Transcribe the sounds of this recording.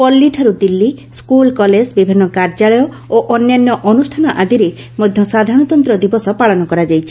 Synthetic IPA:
pɔlːiʈʰɔɾud̪ilːiskulkɔled͡ʒbibʱinːɔkaɾd͡ʒaɭɔjɔ | oʔɔnjanjɔʔɔnusʈʰanɔʔad̪iɾe | mod̪ʱjɔsad̪ʱaɾɔ̃ɔt̪ɔnt̪ɾɔd̪ibɔsɔpaɭɔnɔkɔɾad͡ʒajt͡ʃʰi̥

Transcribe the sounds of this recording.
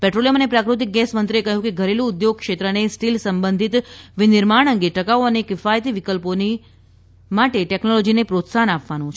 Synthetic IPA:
pɛʈɾoliəmənepɾakɾut̪̬ik̚ɡɛsmənt̪ɾekəɦjũkeɡʱəɾelũːd̪joɡ̚kʃet̪ɾənesʈilsəmbənd̪ʱit̪ʋinɪɾmaɳ̃əŋɡeʈəkaoənekɪfajt̪iʋɪkəlpone | maʈeʈɛknolod͡ʒinepɾot̪sanapʋanũt͡ʃʰ

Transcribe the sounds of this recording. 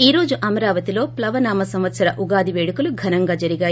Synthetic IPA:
iːɾo̞ːd͡ʒuʔɐmɐɾaːʋɐt̪ilo̞ːplɐʋɐnaːmɐsɐmʋɐt̪sɐɾɐʔuɡaːd̪iʋeːɽɐkuluɡʱɐnɐŋɡaːd͡ʒɐɾiɡaːj

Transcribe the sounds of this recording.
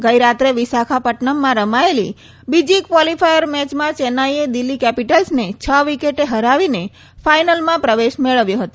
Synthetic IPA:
ɡəjɾat̪ɾeʋisakʰapəʈɳəmːãɾəmaelḭ | bid͡ʒikʋɔlifʰajəɾmɛt͡ʃmãt͡ʃenaied̪ilːikɛpiʈəlsnet͡ʃʰəʋikeʈeɦəɾaʋine | fʰajnəlmãpɾəʋeʃmeɭəʋjoɦət̪õ

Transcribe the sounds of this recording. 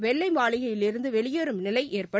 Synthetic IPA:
ʋɛɭːɐɪmaːɭɪɣɐjɪlɪɾɯnd̪ɯʋɛɭɪjoɾɯmnɪlɐɪʔeːrpɐ

